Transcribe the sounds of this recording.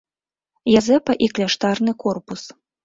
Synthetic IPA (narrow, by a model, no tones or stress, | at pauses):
jazɛpɐʔiklʲaʂt̪arnɨkɔrpus